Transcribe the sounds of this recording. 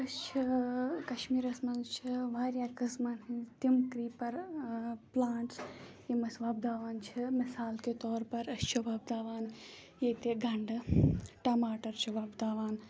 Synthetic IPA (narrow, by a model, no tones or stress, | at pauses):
ɐst͡ʃʰɐkɐʃmiːɾɐsmɐnt͡ʃʰiʋaːɾjaːkɐsmanɦit̪imkɾiːpɐɾ | plaːɳʈsjimɐsʋaːb̚d̪aːʋaːnt͡ʃʰimisaːlket̪ɔːɾpɐɾɐst͡ʃʰiʋaːbd̪aːʋaːn | jet̪eɡʱɐɳɖʈɐmaːʈɐɾt͡ʃʰiʋaːbd̪aːʋaːn